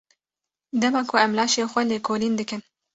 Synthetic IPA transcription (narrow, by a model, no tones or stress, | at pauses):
d̪ɐmɑkʰoamlɑːʃexʷwalekʰolind̪ɨkən